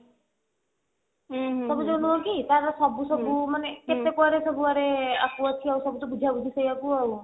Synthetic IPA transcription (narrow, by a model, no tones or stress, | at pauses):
sɔbud͡ʒɔnuɦokit̪aɾsɔbusɔbumaneket̪ekɔɾesɔbuaɾeakuɔt͡ʃʰiawsɔbut̪ɔbud͡ʒʱabud͡ʒʰʱisəjakuaw